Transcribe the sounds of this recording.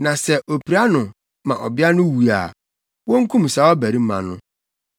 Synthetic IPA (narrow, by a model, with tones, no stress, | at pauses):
nã˨sɛ˦ʔo˨pi˨ɾa˦nʊ̃˨ | mã˨ʔɔ˨bɪ˦a˦nʊ̃˦wu˨a̰˨ | wɔ̃˦ŋ̩˦kʰũ˦m˨sa˨˦wɔ˦bæ˨ɾi˦m˦mã˨nʊ̰̃˦